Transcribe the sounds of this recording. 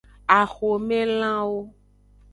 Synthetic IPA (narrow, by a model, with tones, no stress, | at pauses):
a˨xo˨mẽ˦l̃ã˦wo˦